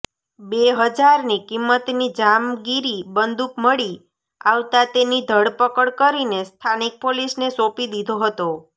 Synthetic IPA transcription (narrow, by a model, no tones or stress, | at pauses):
beɦəd͡ʒaɾnikimːət̪nid͡ʒamɡiɾibənd̪ukməɽi | aʋt̪at̪enid̪ʱəɽpəkəɽkəɾinest̪ʰanik̚polisnesopid̪id̪ʱoɦət̪o